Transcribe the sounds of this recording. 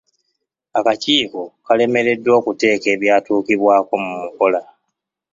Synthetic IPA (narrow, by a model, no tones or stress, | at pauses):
akaciːko̞kale̞me̞ɾe̞dːo̞ːkute̞ːke̞ːβjaːtuːkiβwaːko̞mumuko̞la